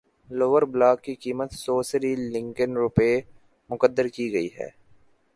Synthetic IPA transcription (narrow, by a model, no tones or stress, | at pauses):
loːʋəɾblaːkːikiːmət̪soːsɾilɪ̃ŋkənɾʊpeː | mʊkəd̪ːəɾkiɡɐiɦɛ̰ː